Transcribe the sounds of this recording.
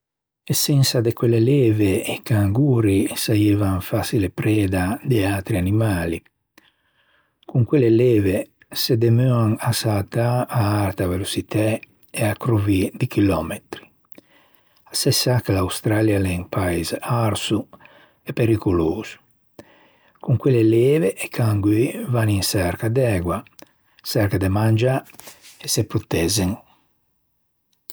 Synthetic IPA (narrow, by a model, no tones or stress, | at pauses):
esːɛnsad̪ekwelːelɛːveekaŋɡuːɾisaeːvaɱfasilepɾɛːd̪ad̪eat̪ɾianimaːli | kuŋkwelːelɛːve | sed̪emøaŋasalt̪aaaɾt̪avelosit̪ʰɛ | eakɾuvid̪ikilɔmet̪ɾi̥ | asɛsakelawst̪ɾaljalɛŋpaizaɾsu | epeɾikuloːz̥u̥ | kuŋkweleleːveʔːkʰaŋɡivaniŋsɛɾkad̪ɛɡwa | sɛɾkad̪emand͡ʒaesepɾot̪ɛzeŋ